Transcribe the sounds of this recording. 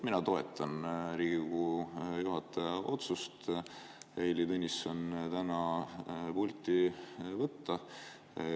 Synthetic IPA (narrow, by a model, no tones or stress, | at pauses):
minɑt̪o̞e̞t̪ːˑɑnɾiːɡikkujuɦɑt̪ːˑɑɑʔo̞t̪sust̪ | eːlʲit̪ɤnʲːisont̪ænɑ | pulʲt̪ʲivɤt̪ːɑ